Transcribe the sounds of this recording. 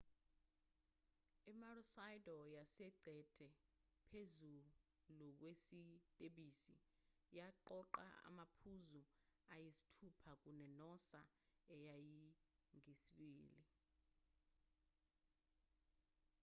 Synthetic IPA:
ɛmarɔsajdʱɔjasɛɡ͡ǀʱɛd̥ʱɛ | pʰezu | luk̬wesitʼeɓisi | jaǃɔǃa̰a̰mapʰuzuajesi̥tʰupʰak̬unɛnɔsa̰ | ɛjaji | ŋesiɓiːli

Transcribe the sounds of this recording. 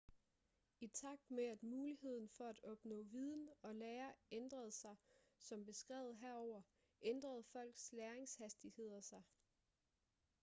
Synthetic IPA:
it͡sʰɑ̈ɡ̥̚d̥meæd̥muːlihe̝ð̰ˠn̩fɒ̽æd̥ɒ̽b̥nɔ̰̽ːʋið̞ˠn̩ɒ̽leːɐend̥ʁɐð̞̩ˠsɑ̈ɪsɒ̽mb̥e̝sɡ̥ʁɛ̰ʊð̩ˠɦeɐ̰ɒʊ̰ɐ | ʔend̥ʁɐð̞̩ˠfɒ̽l̰ɡ̥slæɐeŋshæsd̥ihe̝ð̞̰ˠɐsɑ̈ɪ

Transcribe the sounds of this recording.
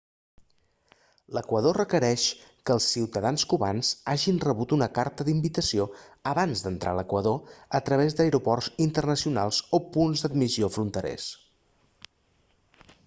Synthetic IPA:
ləkwəð̞orəkəɾɛʃkəlˠsːiwt̪əðanskuβanzaʒinrəβut̪unəkaɾt̪əðimbit̪əsioəβanzd̪ənt̪ɾʔa̰ləkwəðoət̪ɾəβ̞ezd̪əeɾupɔrzint̪ərnəsiuna̰lˠzopunzd̪əd̪misiofɾunt̪əɾɛ̰s

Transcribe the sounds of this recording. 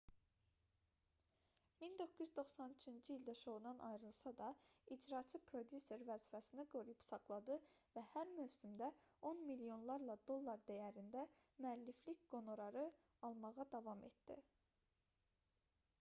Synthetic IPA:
mind̪o̞kːuzyzd̪o̞χsɑnyt͡ʃʰynd͡ʒiilʲd̪æʃo̞ud̪ɑnʔɑ̰jɾɯlˠsɑd̪ɑid͡ʒɾɑt͡ʃʰɯpʰɾo̞d̪juse̞ɾvæzifæsiniɡoɾujupsɑχlˠɑd̪ɯvæhæɾmø̞vsymd̪æo̞nmilijo̞nlˠɑɾlˠɑd̪o̞lˠːɑɾd̪æjæɾind̪æmyælːiflicɡo̞noɾɑɾɯ | ɑlˠmɑʁɑd̪ɑvɑme̞t̪d̪̥ḭ

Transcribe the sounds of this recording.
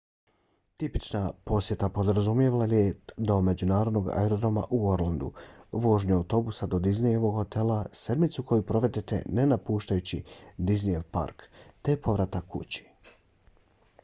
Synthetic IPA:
t̪ipit͡ʃnapo̞sje̞t̪apo̞d̪ɾazumjeʋalalʲjeːt̪d̪o̞me̞d͡ʑunaːɾo̞d̪no̞ɡa̰eɾod̪ɾo̞ma̰ʔuo̞ɾlˠand̪ṵʋo̞ːʒɲuaut̪o̞busad̪o̞d̪iznijeʋo̞ɡho̞t̪e̞lase̞d̪mit̪sukʰo̞jupɾo̞ʋe̞d̪et̪ḛne̞napuːʃt̪ajut͡ɕid̪iznije̞ʋpa̰ɾkt̪e̞pʰo̞ʋɾat̪akʰṵt͡ɕi̥

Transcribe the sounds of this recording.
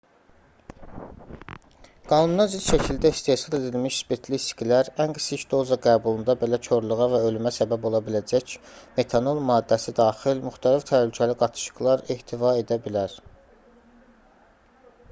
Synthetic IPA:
ɡ̥ɑnunːɑzid̪ʃæcʰild̪æist̪esɑle̞d̪ilmiʃspet̪ʰlist̪klæɾænɡi̥siʃd̪̥o̞zɑɡæːbulˠund̪ɑbe̞læt͡ʃʰo̞ɾlˠuʁɑvæølymæsæbæbo̞lˠɑbilæd͡ʒæc | me̞t̪ʰɑno̞lˠmɑːd̪ːæsid̪ɑːχilmyxt̪ʰælift̪ʰælycʰæliɡɑt̪ʰɯ̥ʃɯ̥ɡlˠɑɾeht̪ʰivɑe̞d̪æbilæɾ

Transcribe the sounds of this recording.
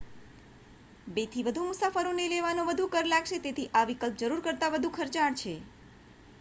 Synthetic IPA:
bet̪ʰiʋəd̪ʱumʊsafəɾoneleʋanõʋəd̪ʱukəɾlaɡʃet̪et̪ʰiʔaʋikəlp̚d͡ʒəɾuɾkəɾt̪aʋəd̪ʱũkʰəɾt͡ʃaɽt͡ʃʰe

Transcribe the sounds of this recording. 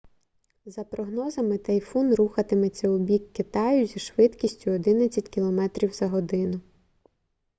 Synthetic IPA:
zɐpɾɔɦnɔzɐmɪt̪ɐjfunruxɐt̪ɪmet͡sʲːɐʊbʲikːɪt̪ɑjʊzʲiʃʋɪt̪kʲisʲtʲʊɔd̪ɪnɐt͡sʲɐtʲkʲilˠɔmɛt̪ɾʲiwzɐɦɔd̪ɪnʊ

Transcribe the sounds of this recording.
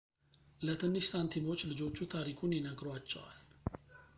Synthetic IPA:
lət̪ʰɨnːɨʃsant̪ʰimo̞t͡ʃːlɨd͡ʒo̞t͡ʃːut̪ʰaɾikʰunjɛnəɡɾoat͡ʃːɛ̰wa̰l

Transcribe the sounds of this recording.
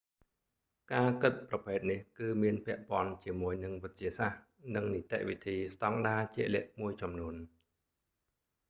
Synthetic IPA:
kaːkɨt̪̚prɑpʰeːt̪̚nihkɨːmiənpɛ̆əʔpŏənt͡ɕiəmuəjnɨŋʋɨt̪̚t͡ɕiəsah | nɨŋnit̪ḛʔʋit̪ʰiːst̪ɑŋɗaːt͡ɕiəʔlɛ̆əʔmuəjt͡ɕɑmnuən

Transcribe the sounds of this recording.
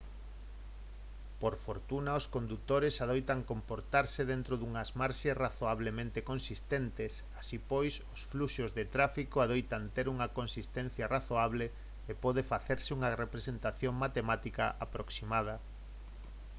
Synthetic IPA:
poɾfoɾt̪unaoskond̪ut̪oɾesað̞ojt̪aŋkompoɾt̪aɾseðent̪ɾoðuŋɐzmaɾʃasraθoaβlemẽnt̪ekonsist̪ent̪esasipojsʊsfluʃozðet̪ɾafikoaðojt̪ant̪eɾuŋɐkonsist̪en̟θjɐraθoaβle | epɔðefaθeɾsɪuŋɐrepɾesent̪aθjoŋmat̪emat̪ikaʔapɾoksimað̞ɐ

